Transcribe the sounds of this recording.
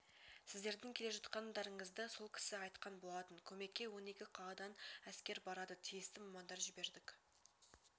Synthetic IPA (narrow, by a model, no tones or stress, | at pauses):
sɪzd̪e̞ɾd̪ɪŋkʲʰe̞le̞ʒɑt̪qɑnd̪ɑɾəɴəzd̪əso̞lˠkʲʰɪ̥sɪɑjt̪qɑnbo̞lˠɑt̪ənkʲʰɵme̞kʲːe̞wo̞ne̞kʲɪqʰɑlˠɑd̪ɑnæskʲe̞ɾbɑɾɑd̪ət̪ʰijɪst̪ɪmɑmɑnd̪ɑɾʒɪbe̞ɾd̪ɪk